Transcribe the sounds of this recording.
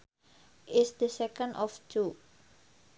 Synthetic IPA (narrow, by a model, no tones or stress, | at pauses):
ʔɪsd̪əsɛkənɔft͡ʃu